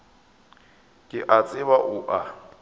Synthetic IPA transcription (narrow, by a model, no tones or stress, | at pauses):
kʼɪʔat͡sʼɪβaʔʊʔa